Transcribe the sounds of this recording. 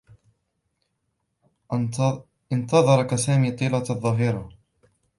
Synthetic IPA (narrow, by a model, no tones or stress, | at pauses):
ɪnt̪ɑðˤɑɾˤɑkasaːmiːt̪ˤiːlaðˤːɑɦiːɾɑ